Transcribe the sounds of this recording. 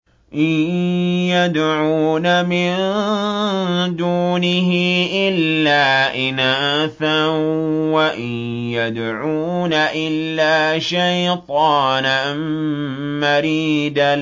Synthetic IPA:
ʔɪ | jad̪ʕuːnamɪn | d̪uːnɪɦɪʔɪlːaːʔɪnaːθa | waʔɪ | jad̪ | ʕuːnaʔɪlːaːʃajt̪ˤɑːna | n | maɾiːd̪a

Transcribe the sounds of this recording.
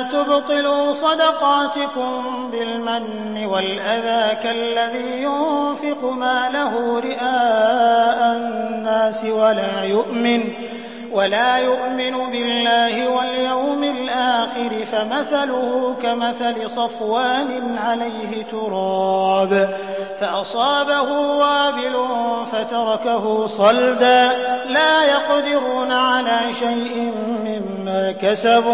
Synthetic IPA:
t̪ʊbt̪ˤɨluːsˤɑd̪ɑqɑːt̪ɪkʊm | bɪlmanːɪwalʔaðaːkalːaðiːjʊnfɪqʊmaːlaɦuːɾɪʔaːʔannːaːsɪwalaːjʊʔmɪn | walaːjʊʔmɪnʊbɪlːaːhɪwaljawmɪlʔaːxɪɾɪfamaθalʊhʊkamaθalɪsˤɑfwaːnɪʕalajɦɪt̪ʊɾˤɑːb | faʔɑsˤɑːbahʊwaːbɪlʊfat̪ɑɾˤɑkaɦʊsˤɑld̪aːlaːjɑqd̪ɪɾuːnaʕalaːʃajʔɪmːɪmːaːkasab

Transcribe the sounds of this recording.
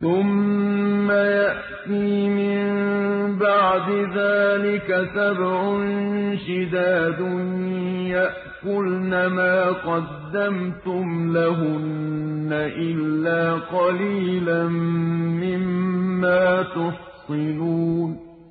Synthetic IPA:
θʊmː | ajaʔt̪iːmɪmmmbɑʕd̪ɪðaːlɪkasabʕʊnʃɪd̪aːd̪ʊnjaʔkʊlnamaːqɑd̪ːamt̪ʊmlaɦʊnːaʔɪlːaːqɑliːlanːɪmːaːt̪ʊħsˤɨnuːn

